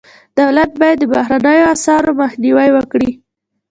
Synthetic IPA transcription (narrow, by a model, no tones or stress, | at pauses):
d̪̥awlat̪̚bɑjad̪ːəbahɾanəjoasɑɾomaxniwajwəkɽi